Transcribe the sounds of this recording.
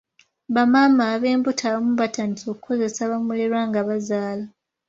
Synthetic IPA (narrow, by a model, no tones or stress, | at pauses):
βamaːmaːβe̞ːmbutʰaβomuβatanito̞ku̥ko̞ze̞saβamuliɾwaːŋɡaβazaːla